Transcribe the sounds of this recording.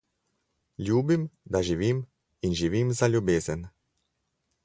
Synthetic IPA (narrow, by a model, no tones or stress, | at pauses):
lʲuːbimd̪aʒiʋiːm | inʒiʋimzalʲjubeːzɛn